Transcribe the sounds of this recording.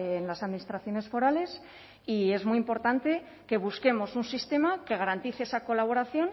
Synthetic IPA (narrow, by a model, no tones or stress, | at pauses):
nlasaðminist̪ɾaθjo̞ne̞sfo̞ɾale̞s | ie̞zmuiimpo̞ɾt̪ant̪e̞ | ke̞β̞uske̞mo̞sunsist̪e̞makeɣ̞aɾant̪iθeesako̞laβ̞o̞ɾaθjo̞n